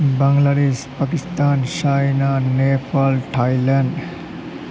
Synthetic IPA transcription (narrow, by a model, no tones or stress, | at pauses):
baŋɡlaɾespakist̪ant͡ʃajnanepalʈʰajlaɳɖ